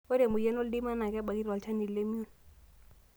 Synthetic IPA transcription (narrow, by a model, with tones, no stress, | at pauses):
o˦dɛ˨mʊ˨jɛ˦no˦ldi˦ma˦na˨kʼɛ˦ba˨ki˦rwa˨lt͡ʃʰa˦ni˨lle˦mju˦n